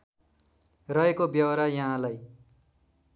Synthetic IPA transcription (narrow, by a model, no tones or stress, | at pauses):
rʌekobjʌwʌɾajʌɦãlaj